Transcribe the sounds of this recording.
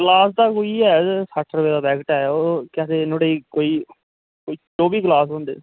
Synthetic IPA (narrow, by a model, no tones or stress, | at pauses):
klaːsd̪aːkoiːɛːsaʈʰːɾəʋeːd̪aːbɛːkəʈɛːoːkɛːt̪eːnoɽeiːkoːiː | koːiːt͡ʃoːbiːklaːsɦʊ̃ɳd̪ḛː